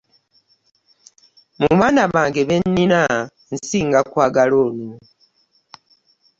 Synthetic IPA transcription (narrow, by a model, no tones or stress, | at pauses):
muβaːnaβaːŋɡe̞βenːina | n̩siːŋɡakwaːɡaloːnu